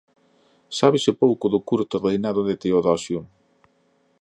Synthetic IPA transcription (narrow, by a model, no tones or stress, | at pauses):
saβɪsɪpowkʊðʊkuɾt̪orejnaðʊðet̪eoðasjuŋ